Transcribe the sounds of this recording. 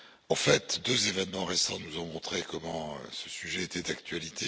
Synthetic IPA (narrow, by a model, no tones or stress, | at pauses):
ɑ̃fɛt̪d̪øzevɛnmɑ̃ʁesɑ̃nuzɔ̃mɔ̃t̪χekɔmɑ̃ø̰sə̥syʒɛet̪ɛd̪akt̪ɥalit̪ʰe